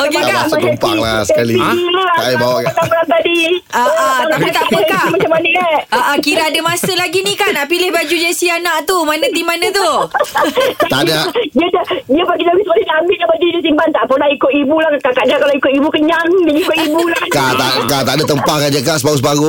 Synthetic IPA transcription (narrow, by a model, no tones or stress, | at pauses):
okaasəmpa̰ŋla̰səkaliilaaibawakaamlaŋt̪adiaʔaait̪aʔpəkamat͡ʃamːanəʔlaaʔəkiɾaadəmasəlaɡinikanaʔpilɪhbad͡ʒud͡ʒasianaʔt̪umanat̪imanat̪u | at̪adadiədadiəpaɡit̪aɡisəkalinaambɪlʔɲabədidis̬imbant̪aʔpənahikʊt̪ibulaht̪akaʔdakaloikʊt̪ibukəɲaŋdad͡ʒikoʔibulakat̪a̰kat̪aʔdat̪əmpahkad͡ʒəɡaʔsbaɡʊsbaɡu